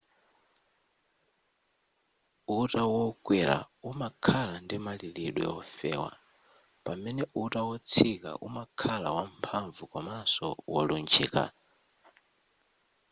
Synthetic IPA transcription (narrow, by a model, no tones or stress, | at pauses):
utʼawɔkʼwiɾa̰umakʰalandimaliliɗwɛ̰ɔfɛ̰ːwa̰ | pamɛnɛutawɔt͡sʰika̰ʔṵmakʰalawampʰaɱvukɔmasɔ̰wɔ̰lunt͡ʃʰiːka̰